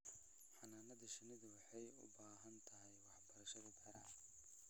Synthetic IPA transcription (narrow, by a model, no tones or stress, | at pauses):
ħɑnaːnɐðɐʃɪnɪðwɑħɑjʊ̰baːɦɐnt̪ʰɐɦɛjwɑħbɐɾɐʃɐðɐk̪ʰɐɾɐn